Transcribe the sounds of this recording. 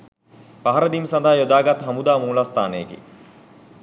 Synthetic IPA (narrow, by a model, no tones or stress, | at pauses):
paɦaɾəd̪imsɐnd̪aɦːjod̪aːɡat̪ɦamud̪aːmuːlast̪aːnəjekḭ